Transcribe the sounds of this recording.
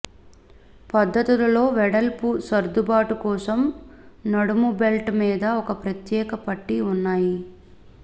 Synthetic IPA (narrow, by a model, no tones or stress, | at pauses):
pɐd̪ʱːɐt̪ilɐlo̞ːʋɛɽɐlpusɐɾd̪ubaːʈukɔːsɐmnɐɽumubelʈmiːd̪ɐɔkɐpɾɐt̪jɛːkɐpɐʈːiunːaːji